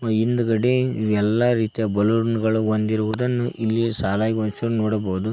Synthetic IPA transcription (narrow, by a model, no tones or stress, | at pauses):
ind̪ɐɡɐɽeiʋɛlːaɾiːt̪ijɐbɐluɾunɡɐɭuond̪iɾuʋud̪ɐnːuʔilːisaːlaːjiɡont͡ʃɐnoːɽɐboːud̪u